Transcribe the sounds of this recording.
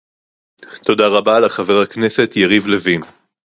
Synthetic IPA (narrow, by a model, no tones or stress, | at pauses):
t̪o̞daʁabalaχave̞ʁaknese̞tjeʁivlevin